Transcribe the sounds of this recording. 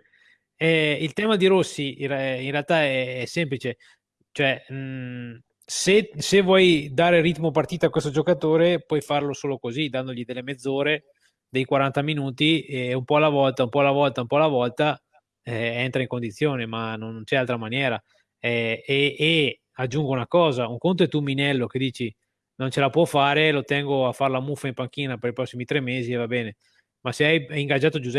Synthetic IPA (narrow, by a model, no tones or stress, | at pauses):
ɛilt̪ɛːmad̪iɾosːiinrealt̪aɛɛsɛmplit͡ʃe | t͡ʃoɛ | sesevːwɔjd̪aːɾerit̪mopart̪iːt̪akwest̪od͡ʒokat̪oːɾepwɔjfarlosoːlokozid̪and̪oʎid̪elːemed̪zːoːɾe | d̪ejkwaɾant̪aminuːt̪iumpɔalːavɔlt̪aumpɔalːavɔlt̪aumpɔalːavɔlt̪a | ɛent̪ɾaiŋkond̪it̪sːjoːnemanonnt͡ʃɛalt̪ɾamanjɛːɾa | ɛeː | ad͡ʒːuŋɡounakɔːzauŋkont̪oɛt̪uminɛlːoked̪iːt͡ʃi | nõnt͡ʃelapwɔfaːɾelot̪ɛŋɡoafaɾlamufːaimpaŋk̟iːnapeɾipɾɔsːimit̪ɾɛmːeːzievabɛːne | maseajaiŋɡad͡ʒːaːt̪od͡ʒuz